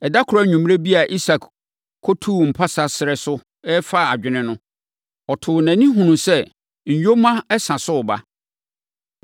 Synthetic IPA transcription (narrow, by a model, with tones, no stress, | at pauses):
ɛ˨da˦kʰʊ˨ɾa˦ɲũ˨m˦ɾe˦bi˦a˨ʔi˦sa˨k | kʰɔ˦tʰu˦m̩˨pʰa˦sa˨sɪ˨ɾɛ˨sʊ˦ | ɛ˦fa˦˨a˨d͡ʑᶣɪ˨nɪ̃˦nʊ̃˦ | ɔ˨tʰʊ˨næ̃˨nĩ˦ɦũ˨nũ˨sɛ˦ | ɲ̩˨jo˦mã˦ɛ˦sã˨sʊ˦˨ba̰˦